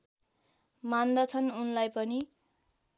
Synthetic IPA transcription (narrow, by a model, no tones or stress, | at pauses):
mand̪ʌt͡sʰʌnunlajpʌni